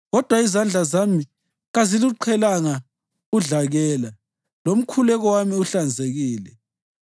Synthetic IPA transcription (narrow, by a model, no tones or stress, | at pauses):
ɣɔd̥ʱwaizand͡ɮʱazami | ɣaziluǃʰɛlaŋa | uɮaɣɛːla | lom̩kʰulɛɣɔwamiuɬand͡zʱeɣiːlɛ